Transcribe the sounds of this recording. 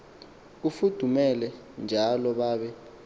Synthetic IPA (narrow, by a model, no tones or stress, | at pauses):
k̬ufud̥ʱumɛlɛ | nd͡ʒʱalɔɓaːɓɛ